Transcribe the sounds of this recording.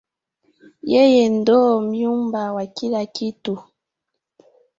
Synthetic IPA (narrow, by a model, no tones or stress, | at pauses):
jejendɔmjumbawakilakitu